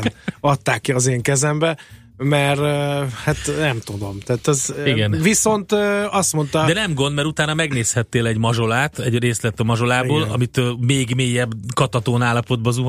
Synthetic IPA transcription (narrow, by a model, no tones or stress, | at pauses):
ɒt̪ːaːkːiɒzeːŋkɛzɛmbɛ | mɛrhat̪nɛmt̪ud̪omt̪aːt̪ɛziɡɛnviso̞nt̪ːɒst̪mo̞nt̪ɒd̪ɛnɛmɡo̞nd̪mɛɾut̪aːnɒmɛɡneːshɛt̪ːeːlɛɟmɒʒo̞laːt̪ɛɟreːslɛt̪ːɒmɒʒo̞laːboːlɒ̰mit̪meːɡmeːjɛbːkɒt̪ɒt̪oːnaːlːɒpo̞d̪̚bɒzuɦ